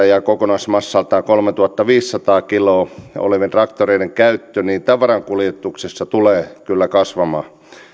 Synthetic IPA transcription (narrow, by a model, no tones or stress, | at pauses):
ɑjɑkokonɑsmɑsːɑlt̪ɑːkolmet̪uhɑt̪ːɑʋiːsːɑt̪ɑːkiloːo̰leʋent̪rɑkt̪oreineŋkæyt̪ːøniːnt̪ɑʋɑɾɑŋkuljet̪ːˑuksesːɑt̪uleːkylːækɑsʋɑmɑː